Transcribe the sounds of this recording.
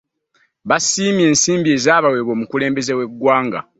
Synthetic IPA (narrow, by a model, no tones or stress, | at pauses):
βasiːmje̞ːnsiːmbie̞zaːβawe̞βo̞ːmukule̞ːmbe̞ze̞we̞ɡːwaːŋɡa̰